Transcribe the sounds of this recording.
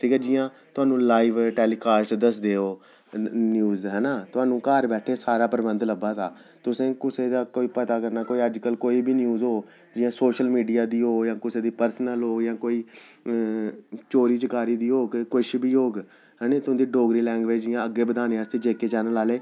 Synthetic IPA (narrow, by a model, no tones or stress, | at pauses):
ʈʰiːkɛːd͡ʒɪjãː | t̪ʊaːnũːlaːiʋʈɛːliːkaːsʈd̪əsd̪eːoː | njuːzɦɛːnaːt̪ʊɦãːnũːkaːɾbɛːʈʰeːsaːɾaːpəɾəbənd̪ləbaːt̪aː | t̪ʊsẽːkʊseːd̪aːkoːiːpət̪aːkəɾnaːkoːiːəd͡ʒkəlkoːiːbiːnjuːzɦoː | d͡ʒɪjãːsoːʃəlmiːɖijaːd̪iːɦoːjãːkʊseːd̪iːpəɾsnəlɦoːjãːkoːiː | t͡ʃoːɾiːt͡ʃəkaːɾiːd̪iːɦoːɡkʊʃbiːɦoːɡ | ɦɛːneːt̪ʊ̃ːd̪iːɖoːɡɾiːlɛ̃ːŋɡʋeːd͡ʒd͡ʒɪjãːəɡːeːbəd̪aːneːaːst̪eːd͡ʒeːkeːt͡ʃaːnəlaːleː